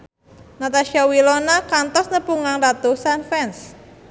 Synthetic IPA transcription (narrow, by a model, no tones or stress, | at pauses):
nat̪aʃiawilonakant̪ɔsnəpuŋaŋrat̪osanfɛns